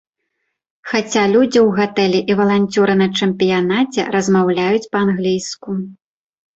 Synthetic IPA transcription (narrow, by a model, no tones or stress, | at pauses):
xat͡sʲalʲud͡zʲiwɣat̪ɛlʲɛʔivɐlˠanʲt͡sʲuɾɨnɐt͡ʂɛmʲpʲijanat͡sʲɛ̰ɾɐzmawlʲajut͡sʲpɐanɣlʲijsku